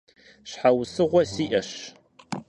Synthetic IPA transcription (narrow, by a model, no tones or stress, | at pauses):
ɕħawsɨʁʷɔsiːʔɐɕ